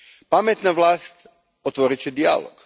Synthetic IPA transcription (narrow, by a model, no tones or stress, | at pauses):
pamet̪naʋlˠaːst̪ | ot̪ʋoɾit͡ɕed̪ia̰lo̰ɡ̥